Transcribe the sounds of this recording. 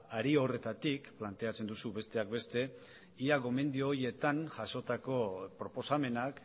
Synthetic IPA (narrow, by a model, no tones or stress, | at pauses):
aɾiore̞t̪at̪ikplant̪e̞at͡se̞nd̪usuβe̞st̪e̞ak̚be̞st̪e̞ | iaɣo̞me̞nd̪ioːje̞t̪anʝaso̞t̪ako̞pɾo̞po̞same̞nak